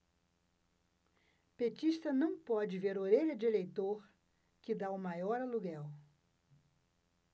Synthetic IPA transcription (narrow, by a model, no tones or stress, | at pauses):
pet͡ʃiʃt̪ɐnɐ̃w̃pɔd͡ʒɪveɾoɾeʎɐd͡ʒɪelejt̪oɾ | kɪd̪aʊmajɔɾɐluɡɛw